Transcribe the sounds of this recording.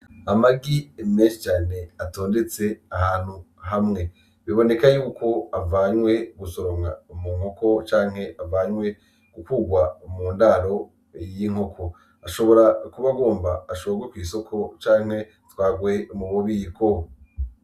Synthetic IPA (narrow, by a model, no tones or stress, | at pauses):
amaɡimneʃit͡ʃaːne̞atoːnde̞t͡se̞ahaːn̥hu | ɦamŋe̞ | βiβo̞ne̞kajuːkʰo̞avaɲwe̞ɡuso̞ɾoŋa̰umuːŋoko̞t͡ʃaːŋ̥he̞ʔavaɲwe̞ | ɡ̥ukuɡwamuːndaɾo̞ | jiŋ̥hokʰo | aʃo̞βo̞ɾakuβaɡo̞ːmbaːʃooɡwikwiːso̞kʰot͡ʃaːŋ̥he̞ | twaːɡwemuβoβiːko